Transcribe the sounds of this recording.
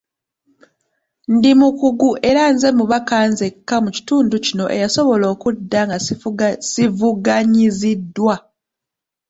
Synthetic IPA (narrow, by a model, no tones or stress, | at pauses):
ndimukuɡuʔe̞ɾanze̞muβakaːnzekːamuci̥tuːnducino̞ʔe̞̰jaso̞βo̞lo̞ːkudːaŋɡasivuɡaɲizidːwa